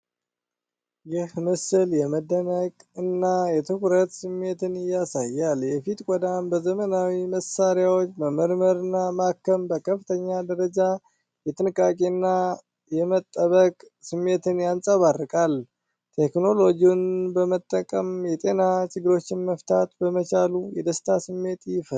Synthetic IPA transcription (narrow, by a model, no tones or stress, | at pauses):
jɪhmɨsɨljɛməd̪ːənəkʼɨnːajɛt̪ʰɨkɾət̪sɨmːe̞t̪ʰɨnɪjːasajːaljɛfit̪kʷʼɔd̪ambəzəmənawiməsaɾjawot͡ʃːməməɾməɾɨnːamakːəmbəkʰəft̪ʰəɲːad̪əɾəd͡ʒa | jɛt̪ʼɨnɨkʼakʼiɨnːa | jɛmət̪ʼːəβəkʼ | sɨmːe̞t̪ʰɨnjansʼəβarːɨkʼal | t̪ʰe̞kno̞lo̞d͡ʒiunbəmət̪ʼːəkʼəmjɛt̪ʼe̞nat͡ʃʼɨɡɨɾo̞t͡ʃːɪnməft̪ʰat̪bəmət͡ʃalujɛd̪əst̪ʰasɨmːe̞t̪jɪfə